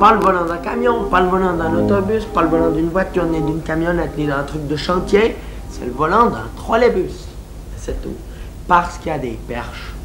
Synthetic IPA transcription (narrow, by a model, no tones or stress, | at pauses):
paləvɔlɑ̃d̪ɛ̃kamjɔ̃paləvɔlɑ̃d̪ɛ̃not̪ɔbyspaləvɔlɑ̃d̪ynvwat̪yʁned̪ynkamjɔnɛt̪nid̪ɛ̃t̪χyk̚d̪əʃɑ̃t̪je | sɛ̰ləvɔlɑ̃d̪ɛ̃t̪χwalebys | sɛt̪ṵ | paʁsə̥kʲiad̪epɛ̰ʁʃ